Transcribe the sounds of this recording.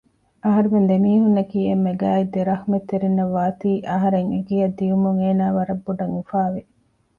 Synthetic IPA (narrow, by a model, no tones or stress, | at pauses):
ɐɦɐɾumend̪emiːɦunːɐkiːemːeɡæːid̪eɾɐxmet̪ːeɾinːɐʋːaːt̪iːʔɐɦɐɾeŋeɡijɐd̪ːijumuŋeːnaːʋɐɾɐbːuɖɐŋufaːʋe